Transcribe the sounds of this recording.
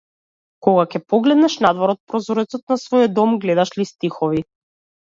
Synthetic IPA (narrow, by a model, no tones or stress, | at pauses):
kɔɡakɛpɔɡlɛd̪nɛʃnad̪vɔɾɔt̪̚pɾɔzɔɾɛt̪sɔt̪̚nasvɔjɔd̪ɔmɡlɛd̪aʃlist̪ixɔvi